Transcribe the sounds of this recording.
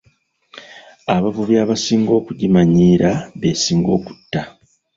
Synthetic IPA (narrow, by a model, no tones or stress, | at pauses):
aβavuβjaβasiːŋɡo̞ːkuɟimaɲiːɾaβesiːŋɡo̞ːku̥tːa